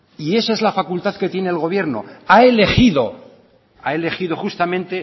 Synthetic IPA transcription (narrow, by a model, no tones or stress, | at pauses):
ie̞saezlafakult̪aðke̞t̪je̞neːlɣ̞o̞β̞je̞ɾno̞̰ae̞le̞xiðo̞ | ae̞le̞xiðo̞χust̪amẽnt̪e̞